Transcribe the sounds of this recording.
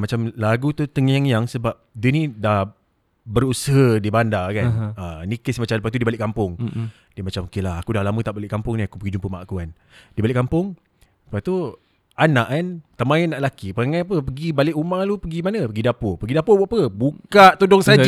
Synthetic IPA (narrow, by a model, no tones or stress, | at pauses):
mat͡ʃamlaɡut̪ut̪əŋjaŋjaŋsəbap̚dənidah | bəɾusəɦədibandakanənikəsmat͡ʃamləp̬aht̪udibalɪʔkːampʊŋ | d̥əmat͡ʃamokelahakudahlamə̃t̪aʔbalɪʔkampʊŋniakupəɡid͡ʒumpəmaʔkukan | dibalɪʔkampʊŋ | ləpat̪u | anaʔkant̪əmaənːaʔlakipəaŋanap̬əpəɡibalɪʔumalupəɡimanəpəɡidapopəɡidapobapəbukaʔt̪udɔŋsa